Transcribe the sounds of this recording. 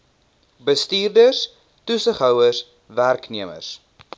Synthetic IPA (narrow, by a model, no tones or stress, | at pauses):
bəstiːrdəs | tusəχɦœwəs | værkniəmə̰rs